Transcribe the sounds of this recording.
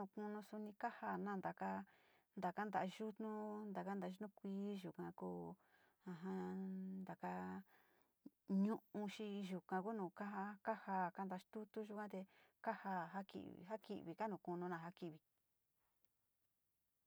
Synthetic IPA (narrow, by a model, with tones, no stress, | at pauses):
ũ˧˨kũ˧nũ˧su˧nĩ˧ka˦ha˧˨nã˦˧nd̪a˨ka˦ | nd̪a˨ka˦nd̪a˨˧ʒu˦t̪nũ˦nd̪a˨ka˦nd̪a˨˧˦ʒu˦t̪nũ˦kʷiː˧˦ʒu˨kã˨kuː˦ | ã˧ɦã˧nd̪a˨ka˧ | ɲũ˦ʔũ˧ʃi˧ʒu˨kã˧ku˦nũː˨ka˦ɦa˧ka˦ha˧˨ka˧˦nd̪a˧˦t̪u˦t̪u˦ʒu˦kʷã˦t̪e˧ka˦ha˧˨ɦa˦kḭ˨ɦa˦kḭ˨ʔβi˨ka˦nũ˧˨kũ˧nũ˧nã˧˨ɦa˧ki˧˨βi˨